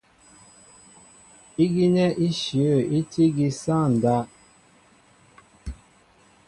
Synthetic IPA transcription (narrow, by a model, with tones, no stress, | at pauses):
i˦ɡi˦nɛ˦ʔi˦ʃjə˦˨i˦ti˦ɡi˦sa˦˨n̩˨da˦